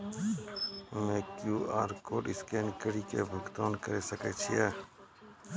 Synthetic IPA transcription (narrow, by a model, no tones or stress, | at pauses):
mẽːkjuːaːɾkoːɖɪskeːnkəɾiːkebʱəɡt̪aːnkəɾeːsəkeːt͡ʃʰiɛː